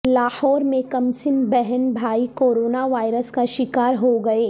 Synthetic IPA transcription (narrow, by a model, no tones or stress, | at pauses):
laːhɔːɾmẽkɐmsɪnbɛɦɛnbʱaːikoːɾoːnaʋaːɪɾəskaʃɪkaːɾɦoɡɐeː